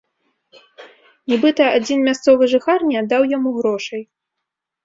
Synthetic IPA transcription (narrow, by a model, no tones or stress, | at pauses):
nʲɛbɨt̪ɐad͡zʲinmʲast̪sɔvɨʐɨxarnʲɛd̪awjamuɣɾɔʂɐj